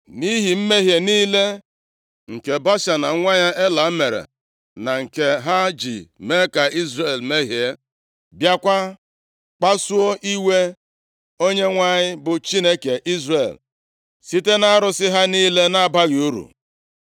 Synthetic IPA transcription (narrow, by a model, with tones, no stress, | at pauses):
ni˦ɦi˨m̩˦me˦ɦje˨niː˦le˦ | ŋ̩˨ke˨ba˦ʃa˨na˨˦ŋʷa˦ɲa˦ʔe˦la˨˦me˨ɾḛ˨ | na˨ŋ̩˨ke˦ɦa˦d͡ʒi˨me˦ka˨ʔi˦zɾe˦˨lme˦ɦje˨˦ | bja˦kʷa˦ | k͡pa˦su˦o˦ʔi˦we˦ | o˦ɲe˦ŋʷa˦ɲɪ˦bʊ˨t͡ʃi˦ne˦ke˨ʔi˦zre˨l | si˦te˦na˦ɾʊ˦sɪ˦ɦa˦niː˦le˦na˦ba˦ɣɪ˨u˦ɾṵ˨